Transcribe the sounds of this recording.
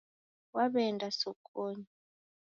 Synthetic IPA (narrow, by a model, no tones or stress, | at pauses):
waɓɛndʱasɔkʼoːɲa